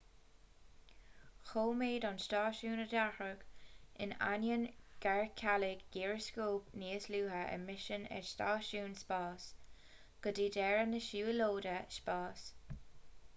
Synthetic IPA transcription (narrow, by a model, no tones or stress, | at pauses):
xoːmeːdɔnstɑːʃuːnədaxɹəɡ̥ɪ̰na̰njənɡ̥aɹkʰalɪɡɡiːɹəskoːpniːəsluːɦəʔə̰mɪʃənɛ̰stɑːʃuːnspɑːs | ɡ̥ədiːdɛɹənəʃuːəloːdəspɑːs